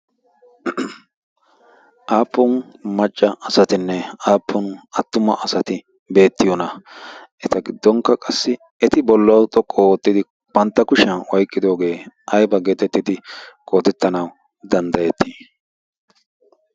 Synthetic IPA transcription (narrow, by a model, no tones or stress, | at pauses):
ʔaːpːʊnmɐt͡ʃʼːɐɐsɐt̪ɪnːɛaːpʰːʊnʔɐt̪ːʊmɐʔɐsɐt̪ɪ | be̞ːt̪ːɪjɔnɐʔɛt̪ɐɡɪd̪ːɔŋkːɐkʼɐsːɪ | ɛt̪ɪbɔlːɐwʊt̪ʼɔkʼːɔot̪ːɪd̪ɪ | b̥ɐnt̪ːɐkʊʃɐnwɐjkʼːɪd̪o̞ːɡe̞ːʔɐjbɐɡet̪ːɛt̪ːɪt̪ɪkʼoːt̪ɛt̪ːɐnɐw | d̪ɐnd̪ɐjɛt̪ːi